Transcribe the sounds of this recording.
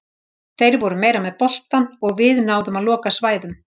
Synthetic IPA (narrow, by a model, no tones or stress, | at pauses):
θejɾvɔɾʏmeːjɾamɛðpɔl̥tt̪anɔɣvɪðnaːwðʏmaðlɔːkasvaːjðʏm